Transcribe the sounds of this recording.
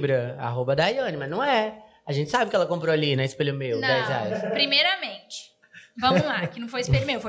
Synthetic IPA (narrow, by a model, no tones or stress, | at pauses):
bɾɐa̰ɦobɐd̪ajɐ̃nɪmɐznɐ̃w̃ɛ | aʒẽnt͡ʃɪ̥sabɪpʊkɛlɐkõmpɾoalinɛ̃ɪspelʊmew̪d̪ɛjza̰jʊspɾimejɾɐmẽnt͡ʃɪ̥ | vɐ̃mʊlakɪnɐ̃w̃fojɪspeɾmewfo